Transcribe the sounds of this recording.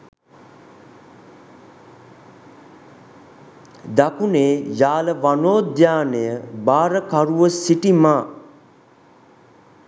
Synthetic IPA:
d̪akuneːjaːləʋanoːd̪jaːnejəbaːɾəkaɾuʋəsiʈimaː

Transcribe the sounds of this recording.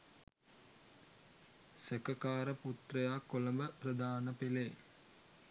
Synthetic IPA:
sekəkaːɾəput̪rəjakːoləməprɐd̪aːnəpele

